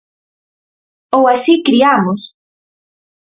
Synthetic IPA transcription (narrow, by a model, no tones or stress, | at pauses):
owasikɾiamos